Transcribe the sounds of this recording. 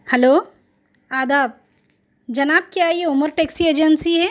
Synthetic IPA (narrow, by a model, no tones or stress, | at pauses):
hɛloː | aːd̪aːb̚ | d͡ʒɐnaːb̚kjaːɦijeʊməɾʈeːksieːd͡ʒənsiɦɛ